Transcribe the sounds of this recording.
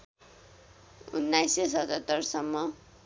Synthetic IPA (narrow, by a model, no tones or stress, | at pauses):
ṵnːajsesʌt̪ʌt̪ːʌrsʌmːʌ